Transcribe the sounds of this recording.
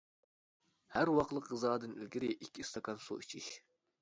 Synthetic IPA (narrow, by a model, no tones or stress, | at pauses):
hæɾwɑqlˠəqʁɨzɑːd̪ɨnilkʲiɾɪʔikʲːiːst̪ʰɑkɑnsṵit͡ʃʰiʃ